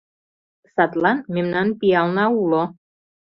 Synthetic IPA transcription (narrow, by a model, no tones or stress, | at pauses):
sat̪lanmɪmnanpialnaulɔ